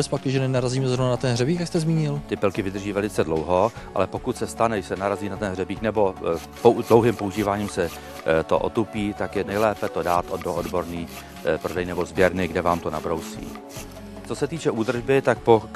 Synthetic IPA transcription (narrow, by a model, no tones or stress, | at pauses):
ɛsfpakɪʒɛnɛnaɾaziːmɛzɾovnanat̪ɛnɦrɛbiːkjakst̪ɛzmiːɲɪlt̪ɪpɪlkɪvɪd̪r̩ʒiːvɛlɪt͡sɛdlowɦo | ʔa̰lɛpo̞kut̪sɛst̪anɛsɛnaɾaziːnat̪ɛnɦrɛbiːknɛbo̞ | podlowɦɪmpouʒiːvaːɲiːmsɛ | t̪o̞̰ʔo̰t̪upiːt̪akjɛnɛjlɛːpɛt̪o̞daːt̪ʔodoʔodbo̞ɾniː | pɾodɛjnɛbo̞zbjɛɾnɪɡdɛvaːmt̪o̞na̰bɾowsḭː | t͡so̞sɛt̪iːt͡ʃɛʔuːd̪r̩ʒbɪt̪ak̚po